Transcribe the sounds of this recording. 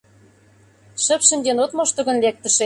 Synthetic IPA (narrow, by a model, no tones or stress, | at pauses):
ʃə̆pʃə̆mʲd̪ʲenot̪moʃt̪ə̆ɣə̆nlek̚t̪ə̆ʃĕ